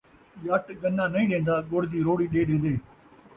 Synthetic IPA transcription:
jaːʈɡənːãːnəĩːɗẽːnd̪aːɡoːɽd̪iːɾoːɽiːɗeːɗeːd̪eː

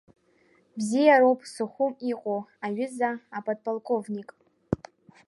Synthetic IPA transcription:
bzijaɾowpʼsɨχʷʊmiqʼoaɥɪzaapʼad̚pʼalˠkʼovnikʼ

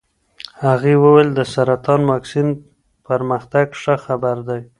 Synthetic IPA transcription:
haɣiwəweld̪əsaɾat̪ɑnwɑksin | pəɾməxt̪aɡʂəxabaɾd̪aj

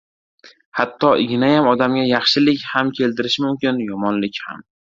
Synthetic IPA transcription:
hat̪ːɒʔɪɡʲɪnajamɒd̪amɡʲajɑχʃɪlɪkʲhamkʲʰe̞lt̪ʰɪɾɪʃmʊmkʲɪnjɒmɒnlɪkʲha̰m

